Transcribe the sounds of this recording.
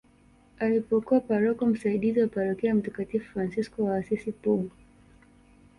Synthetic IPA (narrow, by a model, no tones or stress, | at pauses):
alipɔkuwapaɾɔkɔm̩saiɗiziwapaɾɔkɛam̩takatifufɾansiskɔwaːsisipuɡɔ